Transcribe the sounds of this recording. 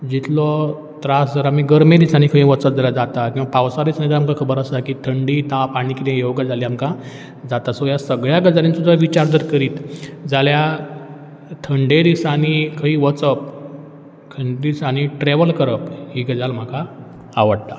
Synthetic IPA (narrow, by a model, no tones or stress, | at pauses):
d͡ʑit̪lɔ | t̪ɾasd͡zəɾam̤iɡəɾmed̪isañikʰəɦĩʋət͡sət̚d͡zelad͡zat̪akĩw̃ʋapawsaɾisanid̪amkakʰəbəɾəst̪akit̪ʰəɳɖit̪ãpaɽ̃ikit̪ãjoʋɡad͡zaliːamka | d͡zat̪asojasəɡɭjaɡəd͡zaɾĩnsud͡z̪ʱaʋit͡ɕaɾd̪əɾkəɾiːt̪d͡zalja | t̪ʰəɳɖed̪isañikʰəɦĩʋət͡səp̚ | kʰəɳɖɾisañiʈɾeʋəlkəɾəpɦiːɡəd͡zalm̤akaː | ʋəɽt̪a